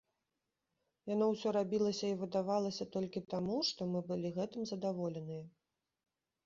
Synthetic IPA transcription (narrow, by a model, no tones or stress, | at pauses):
janɔwsʲɔɾabʲilˠɐsʲɐivɨd̪avalˠɐsʲɐt̪ɔlʲkʲit̪amuʂt̪ɔmɨbɨlʲiɣɛt̪ɨmzɐd̪avɔlʲɛnɨjɐ